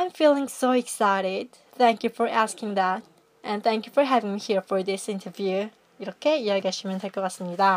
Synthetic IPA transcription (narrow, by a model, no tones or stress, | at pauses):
ãɪ̃ɱfilˠɪ̃ŋsoʊɪksaɪɾɪd̚ | θæ̃ŋkjɨfə˞ʔæskɪ̃ŋðæt̚ | ʔɨ̃nθæ̃ŋkjufə˞ɦævɪ̃ŋmihiɹfə˞ðɪsɪ̃ntʰə˞vjʉ | ɾokʰeɪjæaɪɡɛsɨmɨ̃ntʰekəʌsnjɨdã